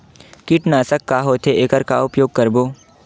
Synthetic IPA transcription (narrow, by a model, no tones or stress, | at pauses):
kɪʈnaːsəkːaːɦoːt̪ʰeʔeːkəɾka̰ʊpjoːɡ̚kɐɾboː